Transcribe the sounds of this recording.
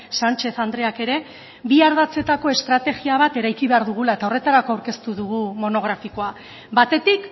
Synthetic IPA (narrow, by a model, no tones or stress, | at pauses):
sant͡ʃe̞θand̪ɾe̞ake̞ɾe̞ | βiaɾð̞at͡se̞t̪ako̞e̞st̪ɾat̪e̞ɣiaβ̞at̪e̞ɾajkiβe̞aɾðuɣ̞ulaet̪ao̞re̞t̪aɾako̞awɾke̞st̪uðuɣ̞umo̞no̞ɣ̞ɾafiko̞a | bat̪e̞t̪ik